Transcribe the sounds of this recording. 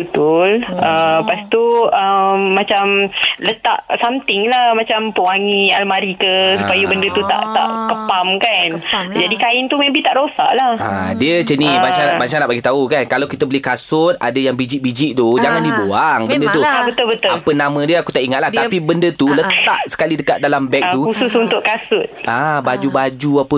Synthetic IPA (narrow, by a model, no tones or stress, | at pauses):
bət̪uləpast̪uəmːãt͡ʃamlət̪a̰ʔsamt̪ɪŋlahmãt͡ʃampuaŋialmaɾikəsupajubəndət̪ut̪a̰ʔt̪a̰ʔkəpamkand͡ʒadikaɪnt̪umebiht̪aʔɾosa̰ʔlaha̰diət͡ʃənibat͡ʃanaʔbat͡ʃanaʔbaɡit̪aukankalawkit̪əbəlɪhkasʊt̪̚ʔa̰dajaŋbid͡ʒiʔ̚bid͡ʒɪʔ̚t̪ud͡ʒaŋandibuaŋbəndət̪ubət̪ʊlbət̪ʊapənãmə̃diəakut̪aʔiŋat̪̚laht̪apibəndət̪ulət̪aʔsə̥kalidəkat̪̚dalambɛk̚t̪uhusʊsunt̪ʊʔkasʊt̪̚abad͡ʒubad͡ʒuapə